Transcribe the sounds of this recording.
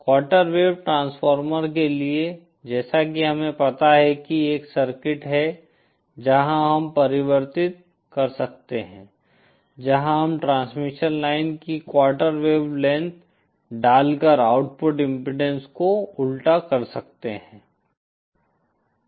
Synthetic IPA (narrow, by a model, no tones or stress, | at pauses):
kwaːɾʈəɾʋeːʋʈɾãːnsfɔːɾməɾkelie | d͡ʒɛːsakiɦɐmẽpɐt̪aɦɛkieːksɐɾkɪʈɦɛ | d͡ʒɐɦãɦɐmpɐɾɪʋəɾt̪ɪt̪̚ | kɐɾsɐk̚t̪eɦɛ̃ː | d͡ʒɐɦãɦɐmʈɾãːnsmɪʃənlaːɪnkikwaːɾʈəɾʋeːʋlɛ̃nt̪ | ɖaːlkəɾaːʊʈpʊʈɪ̃mpɾɪɖɛ̃nskoʊlʈakɐɾsɐkt̪eɦɛ̃ː